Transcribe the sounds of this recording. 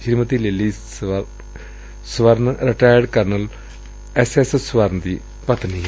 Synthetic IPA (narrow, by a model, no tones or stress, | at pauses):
ʃɾimɐt̪ilelːi | sʋɐɾnɾeʈaːjəɾɖkɐɾnɐl | esessʋɐɾnd̪iː | pɐt̪ni